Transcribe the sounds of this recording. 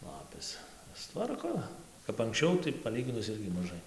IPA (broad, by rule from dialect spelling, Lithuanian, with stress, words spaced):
ˈlˠɑːpʲeːs sʊˈtʋɐrkoː kɐp ɐŋksʲˈt͡ʃʲɛʊ tɐɪ pɐˈlʲiːɡʲɪnʊs ˈɪrʲɡʲɪ mɐˈʒɐɪ